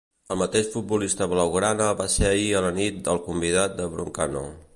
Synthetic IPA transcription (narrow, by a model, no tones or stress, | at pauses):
əlˠmət̪eʃfut̪̚bulist̪əβləwɣɾanəβaseəiələnit̪̚d̪əlˠkumbiðat̪̚d̪əβɾuŋkano̰